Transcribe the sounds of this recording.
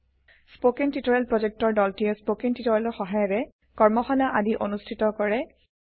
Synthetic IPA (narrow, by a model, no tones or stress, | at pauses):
spokintitɔɹɛlpɹɔzek̚tɔɹdɔltijɛspokintitɔɹɛlɔɹxɔɦajɔtɛ | kɔɹmɔxɔnaʔadiʔonustʰitɔkɔɹɛ